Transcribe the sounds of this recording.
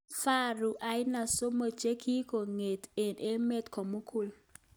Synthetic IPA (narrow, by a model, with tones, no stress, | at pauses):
fa˦ɾu˨ʔa˨˦ɪ˦na˨so˦mo˨t͡ʃe˦kʰi˦ko˨ŋe˨t̪e˨nʔe˦me˦t̪ko˨mu˦ku˦˨l